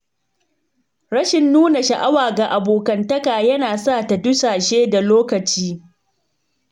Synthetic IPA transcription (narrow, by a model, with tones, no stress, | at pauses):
ɾɐ˦ʃɪ˨nːuː˦na˨ʃa˨ʔa˦waː˨ɡa˨ʔa˨boː˨kɐ˨ntɐ˦kaː˨jɐ˦naː˨sa˦˨ta˨dʊ˦saː˨ʃeː˦da˨loː˦kɐ˨t͡ʃiː˦